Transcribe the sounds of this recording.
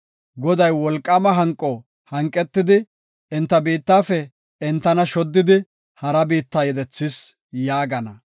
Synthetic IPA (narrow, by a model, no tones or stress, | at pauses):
ɡɔd̪ɐjwɔlkʼːɐmɐɦɐŋkʼːɔ | hɐŋkʼːɛt̪ːɪd̪ɪ | ɪnt̪ːɐbiːt̪ːaːfɛ | ɪnt̪ːɐnɐʃɔd̪ːɪd̪ɪ | hɐɾɐbiːt̪ːaːjɛd̪ɛt͡sːɪs | jaːɡɐnɐ